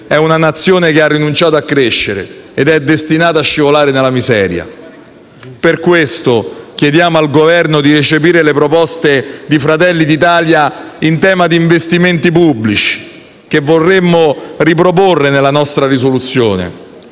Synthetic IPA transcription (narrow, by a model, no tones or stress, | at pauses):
ɛunanat̪sːjoːnekearːinunt͡ʃaːt̪oakːɾeʃːeɾḛed̪ɛd̪ːest̪inaːt̪aʃːivolaːɾenelamizɛ̰ːɾja̰ | perkwest̪okjed̪jaːmoalɡovɛrnod̪iɾet͡ʃep̬iːɾelepɾopɔst̪ed̪ifɾat̪ɛlːid̪it̪aːlja | int̪ɛːmad̪iːɱvest̪iment̪ipubːlit͡ʃi̥ | k̟evːorːemːorip̬ɾop̬orːenelːanɔst̪ɾaɾisolut̪sːjoːnḛ